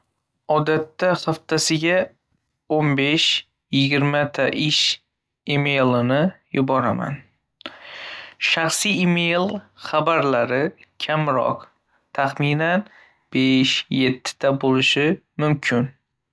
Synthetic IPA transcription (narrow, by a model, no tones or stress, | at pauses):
ɒd̪at̪ːaχaft̪asɪɡʲa | onbe̞ʃ | jɪɡʲɪɾmat̪ʰaʔɪʃ | imejlˠɪnɪjʊbɒɾama̰n | ʃaχsijimejlˠχabaɾlaɾɪkʲʰamɾɒ̰q | t̪ʰaχminan | b̥eʃje̞t̪ʰːɪ̥t̪ʰabolɪʃɪ | mʊmkʲʰɪn